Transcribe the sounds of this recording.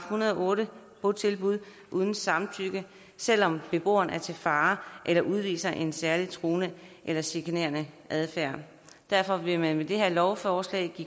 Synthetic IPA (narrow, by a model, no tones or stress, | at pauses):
hunɐðˠɒʔɔ̽ːɾə | pʰot͡sʰe̝lb̥uð̞̰ˠ | ʔuð̞ˠn̩sɑ̈mt͡sʰyɡ̥ə | sel̰ɒ̽mb̥e̝b̥o̝̰ːɐn̩æɐt͡sʰe̝lfɑ̈ːʔelɐʔuð̞ˠʋḭːsɐʔe̝nsæɐlit͡sʰʁoːnəʔelɐsikʰene̝̰ɐnəʔæð̞ˠfæɐ̰ | d̥æɐfɒ̽ʋe̝mænmed̥e̝ɦe̝ɐ̰lɒʊfɒːslɛ̰ɪɡ̥i